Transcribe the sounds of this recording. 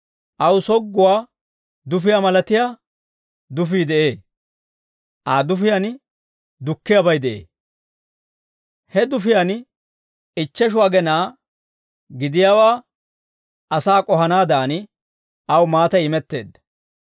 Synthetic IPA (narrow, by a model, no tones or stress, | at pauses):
ʔɐwsɔɡːʊwaː | d̪ʊfɪjamɐlɐt̪ɪjaː | d̪ʊfiːd̪ɛʔe̞ː | ʔaːd̪ʊfɪjan | d̪ʊkːɪjabɐjd̪ɛʔḛː | hɛd̪ʊfɪjan | ɪt͡ʃːɛʃ̬ʊwaːɡɛnaː | ɡɪd̪ɪjaːwaː | ʔɐsaːkʼɔɦɐnaːd̪aːn | ʔɐwmaːt̪ɐjɪmɛt̪ːe̞ːd̪ːɐ̥